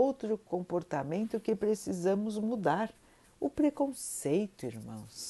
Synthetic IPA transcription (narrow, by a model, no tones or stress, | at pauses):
owt̪ɾʊkõmpoɾt̪amẽnt̪ʊkɪpɾesizɐ̃mʊzmud̪aɾ | ʊpɾekõsejt̪ʊiɾmɐ̰̃w̃s